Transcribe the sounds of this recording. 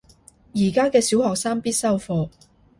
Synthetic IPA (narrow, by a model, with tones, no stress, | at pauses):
jiː˨˩kaː˥kɛː˧si˨˥whɔː˨k̚saː˥ŋpiː˥t̚sɐ˥wfɔː˧